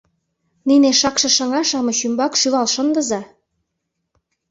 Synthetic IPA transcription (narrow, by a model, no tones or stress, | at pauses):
nineʃɑkʃɤ̆ʃɤ̆ŋɑʃɑmɤ̆ʃymbɑkʃylɑlʃənd̪ə̆zɑ